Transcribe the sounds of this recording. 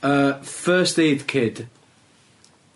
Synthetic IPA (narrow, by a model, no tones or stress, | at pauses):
əfɜːˑsteːdkʰɪd̥